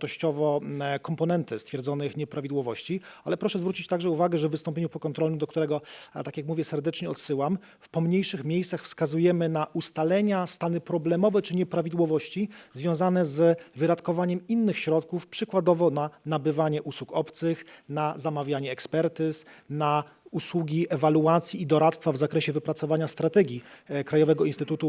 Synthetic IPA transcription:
t̪ɔɕt͡ɕɔvɔkɔmpɔnɛnt̪ɘst̪fʲjɛɾd̪zɔnɘxɲɛpɾavʲid̪wɔvɔɕt͡ɕia̰lɛpɾɔʂɛzvɾut͡ɕit͡ɕt̪aɡʐɛuvaɡɛʐɛvːɘst̪ɔ̃mpʲjeɲupɔkɔnt̪ɾɔlnɛd̪ɔkt̪uɾɛɡɔt̪akʲjakmuvʲjɛsɛɾd̪ɛt͡ʂɲɛɔ̰t̪sɘwam | fpɔmɲejʂɘxmʲjejssaxfskazujɛmɘnaʔust̪alɛɲast̪anɘpɾɔblɛmɔvɛt͡ʂɘɲɛpɾavʲid̪wɔvɔɕt͡ɕizvʲjɔ̃w̃zanɛzvɘd̪at̪kɔvaɲɛminːɘxɕɾɔt̪kufpʂɘkwad̪ɔvɔnanabɘvaɲɛʔuswukɔpt̪sɘxnazamavʲjaɲɛːkspɛɾt̪ɘsna | uswuɡʲiɛvaluat̪sʲjiːd̪ɔɾat̪st̪favzakɾɛɕɛvɘpɾat̪sɔvaɲast̪ɾat̪ɛɡʲjikɾajɔvɛɡɔinst̪ɘt̪ut̪u

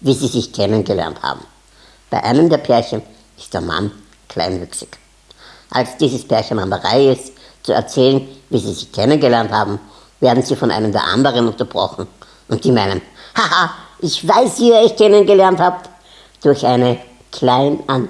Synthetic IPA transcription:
viːziːzɪçkʰɛnənɡəlɛ̰ɐntha̰ːbm̩ | b̥aɪʔa̰ɪnəmdeːɐpʰɛɐçən | ɪst̚d̥eːɐma̰n | kʰla̰ɪnvʏksɪk | ʔa̰lsd̥iːzəspʰɛɐçənandɐʁa̰ɪɪst | t͡suɛ̰ɐt͡sɛːlənviːziːzɪçkʰɛnənɡəlɛɐnthaːbm̩ | veːɐdn̩ziːfɔnʔa̰ɪnəmdeːɐʔa̰ndəʁənʊ̃ntɐb̥ʁɔ̰χn̩ | ʔʊntd̥iːmaɪnəmhahaʔɪçv̥aɪsviːeːɐɪçkʰɛnənɡəlɛɐnthaːpt | d̥ʊɐçʔaɪnə | kʰl̥aɪnʔan

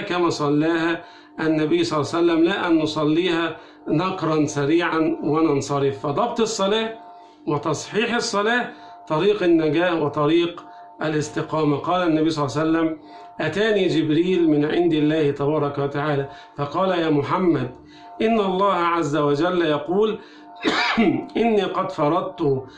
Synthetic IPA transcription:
kæmæːsˤɑlːaːha | ʔanːæbɪjːsˤɑlːɑsælːæmlaːʔanːʊsˤɑlːiːhaː | nɑqɾˤɑnsaɾiːʕanwanɑnsˤɑɾɪfːɑd̪ˤɑb̚t̪ˤɨsˤːɑlaː | wɑt̪ɑsˤħiːħɑsˤːɑlaː | t̪ˤɑɾiːqɪnːaɡaːhwɑt̪ˤɑɾiːq | ʔalɪst̪ɪqɑːmaqɑːlæʔnːæbijsˤɑlːsælːæm | ʔæt̪aːniːd͡ʒɪbɾiːlmɪnʕɪ̰nd̪ɪlːæːhɪt̪ɑbɑːɾˤɑkawat̪aʕaːlæː | fɑqɑːlajæːmʊħamːæd̪̚ | ʔɪnːaʔɑlˤːɑːhaʕazːawad͡ʒælːjɑquːl | ʔɪnːiːqɑd̪fɑɾˤɑd̪̚t̪ʊ

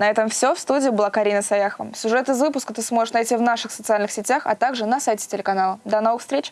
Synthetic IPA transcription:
nɐɛt̪əmfsʲofst̪udʲɪːbɨlˠakɐɾʲinəsɐjaxəvə̰fsʲʊʐɛt̪ɨzvɨpʊskət̪ɨsmo̞ʐɨʂnɐjtʲivnaʂɨxsət̪sɨalʲnɨxsʲɪtʲaxɐ̰t̪aɡʐɨnɐsajtʲɪ̥tʲɪlʲɪkɐnalˠəd̪ɐno̞vɨxfst̪ɾʲet͡ɕ

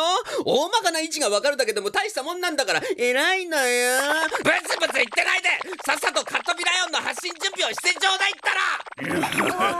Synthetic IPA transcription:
ooːmakanait͡ɕiɡaβakaɾɯ̟d̪ake̞d̪o̞mo̞t̪aiɕi̥t̪amõ̞nːãnd̪akaɾae̞ɾainajabɯɾesɨbɯt͡sɨit̪ːe̞naid̪e̞sasat̪o̞kat̪ːo̞bʲiɾajõ̞nːohaɕːĩɲ̟d͡ʑɨ̃mbʲioɕi̥set͡ɕo̞ːd̪eit̪ːaɾa

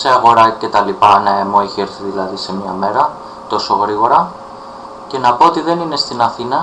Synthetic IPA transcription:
se̞ɐɣo̞ɾɐce̞t̪ɐlipɐnɐemo̞içeeɾθiðilɐðise̞mɲɐme̞ɾɐ | t̪o̞so̞ɣɾiɣo̞ɾɐ | ce̞nɐpo̞ot̪iðe̞nine̞st̪inɐθinɐ

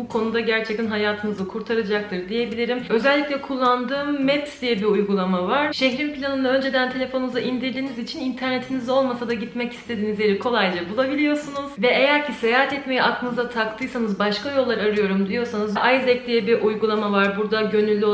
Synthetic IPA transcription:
bukʰo̞nud̪aɟæɾt͡ʃʰɛc̚t̪ʰinɦajaːt̪ʰɯnɯzɯkʰuɾt̪ʰaɾɯd͡ʒak̚t̪ʰɯɾd̪ije̞bilʲiɾimø̞zɛlʲːiclʲɛkʰulˠːand̪ɯːmːɛpsd̪ijɛbiujɡulˠamavaɾ̥ʃeɦɾimpilʲanɯnaø̞nd͡ʒe̞d̪ænt̪ʰe̞lʲe̞fo̞nuuzaʔind̪iɾd̪iːnizit͡ʃʰinint̪ʰæɾne̞t̪ʰinizo̞lˠmasad̪aɟit̪mɛcʰi̥st̪ʰe̞d̪inizʲjʲeɾikʰo̞lˠajd͡ʒˠabulˠabilʲijo̞sunuz̥vɛejæɾcʰisejaːɦat̪ʰɛtt̪me̞jɛaklˠɯnɯzat̪ʰakt̪ʰɯjsanɯzbaʃkajo̞lˠːaɾaɾɯjo̞ɾumd̪ijo̞sanɯzʔajzɛclʲijɛbiʔujɡulˠamavaɾbuɾd̪aɟø̞nylʲːyo

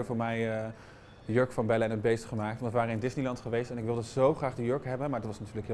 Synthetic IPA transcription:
əvʊːɹmɛjə | əjøɹkfɑnbɛləɛnəd̚bejstχəmaːk̚tʋɑnəʋaːrəɪndɪsnilɑntχəʋejstɛnɪkʋɪlˠdəzowχraːχdəjøɹkɦɛbənmaːɹdɑtʋɑsnatyːɹləkɦɪ

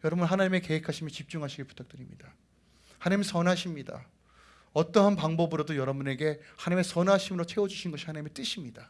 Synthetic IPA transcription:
jʌɾʌbunɦanaɲime̞ke̞ɦekʰaɕʰimjʌt͡ɕip̚t͡ɕ͈uŋɦaɕʰiɡeɭpu̥tʰak̚t͈ɯɾimɲida | hanaɲimsʌnɦaɕʰimɲida̰ | ʌt͈ʌɦanpaŋbʌbɯɾodojʌɾʌbune̞ɡe̞hanaɲime̞sʌnɦaɕʰimɯɾot͡ɕʰe̞od͡ʑuɕʰinɡʌɕʰihanaɲimet͈ɯɕʰimɲid̥a

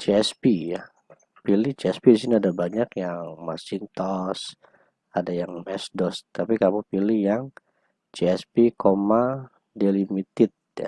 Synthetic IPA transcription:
t͡ʃeɛspija | piliht͡ʃiɛspiis̬iniadabaɲakjaŋmasɪnt̪ɔs | adajaŋmɛsdɔst̪apikamupilihjaŋ | t͡ʃeɛspikoma | delimit̪ɪt̪̚ja̰

